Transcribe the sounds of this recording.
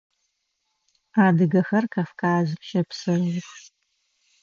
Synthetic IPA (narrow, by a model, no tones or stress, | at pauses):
aːdɨɡɐxɐrkʰaːfkʰaːzɨʃɐpsɨrʊx